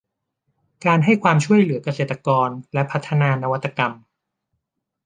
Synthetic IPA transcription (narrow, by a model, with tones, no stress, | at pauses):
kaː˧nɦa˥˩jkʰwaː˧mt͡ɕʰu˥˩əjlɯ˩˦ɐka˧seː˨˩t̪ːa˧kɔː˧nlɛ˦˥pʰa˦˥t̪ʰːa˧naː˧na˧wa˦˥t̪ːa˧ka˧m